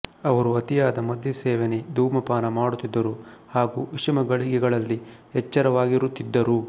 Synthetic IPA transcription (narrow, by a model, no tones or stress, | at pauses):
ɐʋɐɾuɐt̪ijaːd̪ɐmɐd̪ʱjɐseːʋened̪ʱuːmɐpaːnɐmaːɽut̪ːid̪ːɐɾuhaːɡuiʂɐmɐɡɐɭiɡɛɡɐɭɐlːiɦɛt͡ʃːɐɾɐʋaːɡiɾut̪id̪ːɐɾu